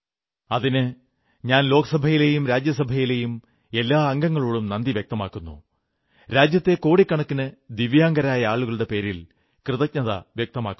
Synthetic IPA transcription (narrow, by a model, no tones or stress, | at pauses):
ɐðinɨ | ɲaːnlo̞ːɡɐsɐbʱɐjile̞ːjumɾaːd͡ʑjɐs̬ɐbʱɐjile̞ːjum | e̞lːaːɐŋɡɐŋːɐɭoːɭumnɐnd̪iʋjek̚t̪ɐmaːkːunːṵ | ɾaːd͡ʑjɐt̪ːe̞ko̞ːɽikːɐɳɐkːinɨd̪iʋjaːŋɡɐɾaːjɐaːɭuɣɐɭuɽe̞pe̞ːɾil | krɨðɐk̚ɲɐðɐ̰ʋjek̚t̪ɐmaːkːu